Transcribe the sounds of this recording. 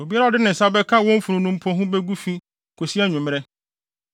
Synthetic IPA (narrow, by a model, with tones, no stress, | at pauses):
o˨bi˦a˦ɾa˦˨ɔ˨dɪ˦nɪ̃˨n̩˨sa˦bɛ˦kʰã˦wɔ̃˦m̩˦fũ˨ɾũ˨nũ˦m̩˦pʰɔ̃˦ɦũ˦bɛ˦ɡu˦fi˦ | kʰo˨si˦ɛ˦ɲᶣʊ̃˨m˦ɛ˦